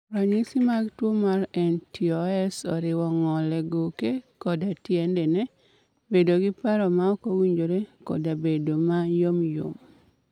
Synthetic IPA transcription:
ɾaɲisimaɡtwomaɾɛntʰiɔɛsɔɾɪwɔŋɔlɛɡokekɔdatjɛndɛnɛ | bedoɡɪpaɾɔmaɔkowiɲd͡ʒoɾekɔ̰dabedomajomjo̰m

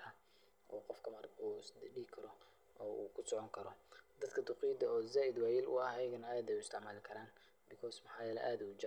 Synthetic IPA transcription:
ɐ | ʔɔːqɔfkʰɐmɐrkʰuːsd̪ɖiːkʰɐɾɔ | ʔɔːʔṵːkʰʊsɔʕɔŋkʰɐɾɔd̪ɐd̪kʰɐd̪ʊqiːd̪ɐɔːzaːʔɪd̪waːjɪlʊ̰ɐhɐjɐɣɐnɐaːd̪ɛjʊɪst̪ɪʕmaːlɪkʰɐɾaːn | bɪkʰɔːsmɐħɑːjɛːlɛ̰ʔaːd̪ʊt͡ʃɪ

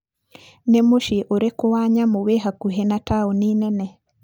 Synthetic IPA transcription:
nemoʃiʔoɾekowaɲamoweɦakuɦenataoninɛnɛ

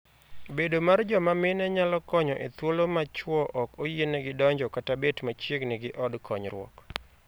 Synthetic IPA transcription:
bedomard͡ʒɔmamɪnɛɲalɔkɔɲɔʔet̪wolomat͡ʃwɔʔɔkojenɛɡɪdɔɲd͡ʒɔkatabetmat͡ʃjeɡnɪɡɪʔɔdkʰɔɲɾwɔ̰k

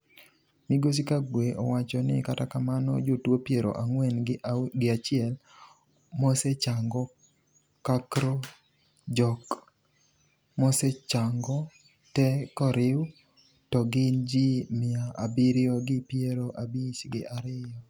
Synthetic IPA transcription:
miɡos̬ikaɡweʔɔ̰wat͡ʃɔnɪ̰katakamanɔ̰d͡ʒotwopjeɾo̰ʔaŋwɛnɡɪat͡ʃɪɛl | mɔset͡ʃaŋɡɔ | kakɾo | d͡ʒɔk | mɔsɛt͡ʃaŋɡɔ | tɛkɔɾɪw | tɔɡɪnd͡ʒimɪaʔabiɾɪɔɡɪpjeɾoʔabisɡɪ̰aɾɪjɔ

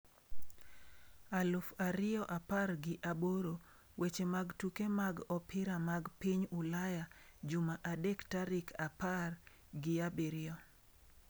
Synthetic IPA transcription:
alʊfaɾɪjɔʔaparɡɪʔaboɾo | wet͡ʃemaɡtukemaɡɔpɪɾamaɡpiɲʊlajad͡ʒʊmaʔadektaɾɪkʰapar | ɡɪabeɾɪɔ

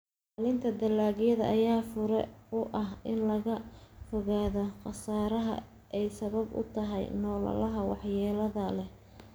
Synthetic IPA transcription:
alɪnt̪ʰɐd̪ɐlːaːɣjɐðɐ̰ʔɐjaːfʊɾɛʊʔɐɦɪnlɐɣɐfɔɣaːðɔqɑsaːɾɐɦɐ̰ | ʔɛjsɐβɐbʊ̰t̪ʰɐɦɛ̰jnɔːlɐ̰lɐɦɐwɑ̰ħjɛːlɐðɐlɛ

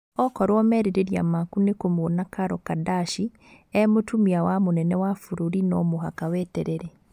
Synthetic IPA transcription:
ɔkɔɾwɔmɛɾeɾeɾia̰makunekomonakaɾɔkadaʃi | ɛmotumiawamonɛnɛwafuɾoɾinɔmoɦakawɛːtɛɾɛɾɛ

